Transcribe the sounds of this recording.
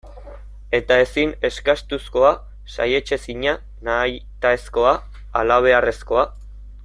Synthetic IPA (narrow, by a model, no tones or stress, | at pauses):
e̞t̪ae̞sine̞skast̪usko̞a | sa̰je̞t͡ʃe̞siɲa | najt̪aesko̞aː | laβ̞e̞are̞sko̞a